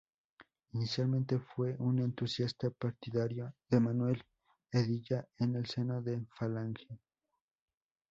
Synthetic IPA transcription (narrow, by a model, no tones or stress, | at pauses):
inisjalmẽ̞nt̪e̞fwe̞ʔune̞nt̪usjast̪apaɾt̪iðaɾjoðe̞manwe̞l | eðiʝaene̞lse̞noðefalaŋxja